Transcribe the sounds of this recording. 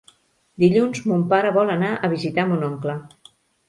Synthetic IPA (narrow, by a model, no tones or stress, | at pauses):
d̪iʎunzmumpaɾəβɔlənaʔəβizit̪amunɔŋklə